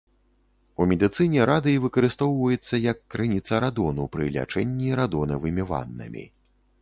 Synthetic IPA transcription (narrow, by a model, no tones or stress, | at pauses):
umʲɛd̪ɨt̪sɨnʲɛɾad̪ɨivɨkɐɾɨst̪ɔwvɐjɛt̪sːɐjɐkːɾɨnʲit̪sɐɾad̪ɔnupɾɨlʲa̰t͡ʂɛnʲːiɾad̪ɔnɐvɨmʲiva̰nːɐ̰mʲḭ